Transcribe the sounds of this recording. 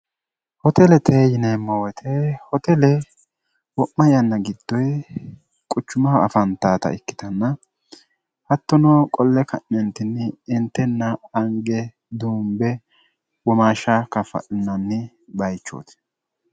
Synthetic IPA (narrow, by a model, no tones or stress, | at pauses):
hɔt̪ɛlɛt̪ʰeːjɪneːmːɐwɔt̪ʰɛhɔt̪ɛlɛ | wɔʔːɐjɐnːɐɡɪd̪̥ːɔj | kʼʊt͡ʃːʊmɐɐ̰fɐnt̪aːt̪ɐ̰ɪkːɪ̥t̪ɐnːɐ | hɐt̪ːɔnɔkʼɔlːɛkʰɐ̰ʔːɛnt̪ɪnːɪːnt̪ːɛnːɐːŋɡɛ | d̪uːmbɛ | wɔmaːʃɐkɐfɐ̰ʔɪnːɐnːɪ | bɐjt͡ʃːo̰ːt̪ɪ̥